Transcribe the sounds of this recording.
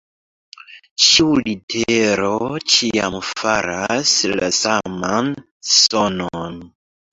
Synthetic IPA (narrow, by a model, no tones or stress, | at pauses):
t͡ʃiulitʰeɾot͡ʃiamfaɾaslasaman | sonon